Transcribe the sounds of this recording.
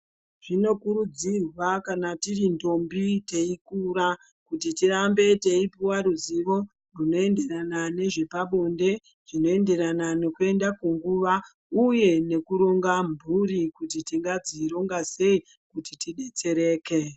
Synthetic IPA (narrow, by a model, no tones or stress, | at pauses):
ʐ̥ino̞kuɾud͡zirwakanatirindo̞mbite̞ikuɾa | kutitiɾambe̞te̞ipiwaɾuziʋo̞ | runo̞e̞nde̞ɾanane̞ʐe̞paɓo̞nde̞ | ʐ̥ino̞e̞nde̞ɾanane̞kue̞ndakuŋɡuʋa | uje̞ne̞kuɾo̞ŋɡambʱuɾikutitiŋɡad͡ziɾo̞ŋɡase̞i | kutitiɗet͡se̞ɾe̞ːke̞